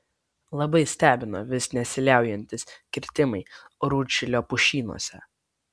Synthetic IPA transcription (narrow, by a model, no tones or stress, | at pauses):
lˠɐbɐɪsʲt̪ʲæːbʲɪnoʋʲɪsnʲɛsʲɪlʲæˑʊjɛnʲt̪ʲɪskʲɪɾʲt̪ʲɪmɐɪɾuːt͡ʃʲɪlʲoːpʊʃʲiːnṵɔsʲɛ̰